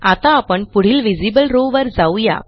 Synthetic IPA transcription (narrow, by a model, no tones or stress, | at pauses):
at̪aːpəɳpuɽ̤iːlʋid͡zibəlɾoʋəɾd͡zauja̰